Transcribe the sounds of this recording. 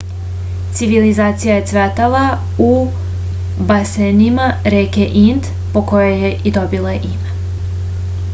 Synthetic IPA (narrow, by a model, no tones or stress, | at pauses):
t̪siʋilizaːt̪sijajet̪sʋet̪ala | u | basenimaɾeːkeʔint̪ | poko̞jojeʔid̪o̞bilˠaʔime